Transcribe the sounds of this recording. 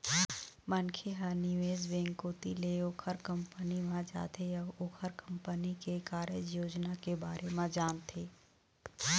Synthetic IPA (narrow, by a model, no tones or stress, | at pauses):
mənkʰeɦanɪʋeːzʋẽːŋɡkoːt̪ileoːkʰəɾkə̃mpəniʋãd͡ʒa̰ːt̪eɐbʊkʰəɾkə̃mpənikekaːɾjəd͡ʒjoːd͡ʒnakebaːɾʔemãd͡ʒaːnt̪ʰeː